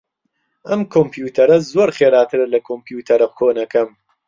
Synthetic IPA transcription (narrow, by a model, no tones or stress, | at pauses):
ʔɐmkʰompʰjuːt̪ʰɐɾɐzoːɾχeːɾaːt̪ʰɨɾɐlɐkʰompjuːt̪ʰɐɾɐkʰoːnɐkɐm